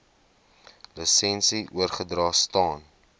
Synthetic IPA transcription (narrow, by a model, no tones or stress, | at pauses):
ləsɛnsiʔuərχədrɑːstɑːn